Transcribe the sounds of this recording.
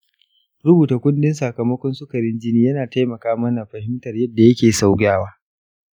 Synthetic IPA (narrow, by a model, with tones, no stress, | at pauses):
ɾʊ˦buː˨ta˨kʷʊ˦nɗɪ˦nsɐ˨kɐ˨mɐ˦kʷɔ˦nsʊ˦kɐ˨ɾɪ˦nd͡ʒɪ˦niː˦jɐ˦naː˨ta˦jmɐ˨kaː˦mɐ˦na˨ɸɐ˨hɪ˦mtɐ˨rjɐ˦dːa˨jɐ˦kʲeː˨sa˨wɡʲaː˦waː˦